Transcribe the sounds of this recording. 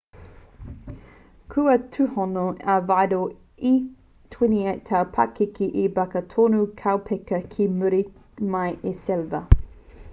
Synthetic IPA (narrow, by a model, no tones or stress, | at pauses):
kʰuətʰʉhɔnoɐvajdo | i | tʰwɪniɐtʰɐpʰɐ̰kikiʔibɐkətʰonukʰawpʰɛkəkʰimʉɾimɐjʔesɛlvɐ